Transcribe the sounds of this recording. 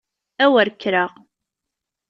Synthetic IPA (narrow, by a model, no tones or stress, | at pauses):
æwəɾkːɾəʁ